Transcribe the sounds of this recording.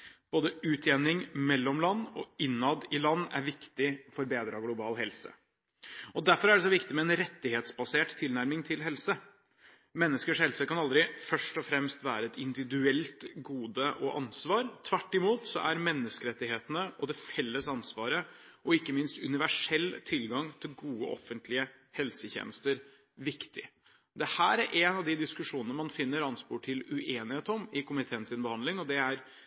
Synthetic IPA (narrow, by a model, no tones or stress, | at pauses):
b̥oːd̪əʉːt̪ʰjeːnɪŋmɛlːɔmlɑnːɔ̰ɪnːɑd̪ɪlɑnːæ̰ɾʋɪkt̪ɪɔfɔɾbeːd̪ɾɑɡlʊbɑːlɦɛlsə̰ | ɔd̪æɾfɔɾæɖɛs̬ɔʋɪkt̪ɪmɛɛnɾɛt̪ːɪheːt̪sbɑseːʈt̪ʰɪlnæɾmɪŋt̪ʰɪlɦɛlsə | mɛnːəskəʂhɛlsəkɑnɑld̪ɾɪfœʂʈɔfɾɛmst̪ʋæ̰ːɾəɛt̪ɪnd̪ɪʋɪd̪ʉɛlt̪ɡuːd̪əʔɔʔɑnsʋɑːɾt̪ʰʋæʈːɪmuːt̪sɔ̰ʔæɾmɛnːəskəɾɛt̪ːɪheːt̪ənəʔɔd̪ɛfɛlːəsɑnsʋɑːɾəɔɪkːəmɪnst̪ʉnɪʋæʂɛlːt̪ʰɪlɡɑŋt̪ʰɪlɡuːə̰ʔɔ̰fːənt̪ʰlɪəhɛlsəçḛːnəst̪əɾ | ʋɪkt̪ɪ̰ | d̪ɛhæːɾæɾʔeːnɑʋd̪ɪd̪ɪskʉʂuːnənəmɑnfɪnːəɾɑnspuːʈʰɪlʉʔeːnɪheːt̪ɔmɪkʰʊmɪt̪ʰeːənsɪnbəhɑnd̪lɪŋɔd̪ɛæɾ